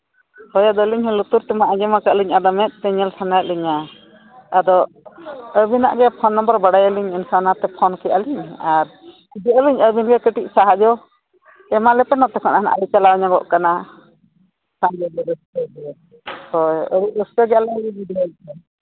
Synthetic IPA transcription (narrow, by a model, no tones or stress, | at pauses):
hɔjad̪ɔliɲhɔlut̪uɾt̪ɛmaʔad͡ʒɛmakaʔliɲad̪ɔmɛt̪̚ˀt̪ɛɲɛlsanajt̪̚liɲaː | d̪ɔ | əbina̰ʔɡɛpʰɔnːɔmbəɾbaɽajəliɲinsanat̪ɛpʰɔnkɛaliɲaɾ | id͡ʒɛəliɲəbinɡɛkəʈiʔ̚saɦad͡ʒɔ | ɛmalɛpɛnɔt̪ɛkanana̰ʔlit͡ʃalawɲaɡɔ̰ʔkana | saŋd͡ʒɛbɛɾəstɔɡɛ | hɔjəbiʔəstɔɡɛalɛbibid̪ialt̪ɛ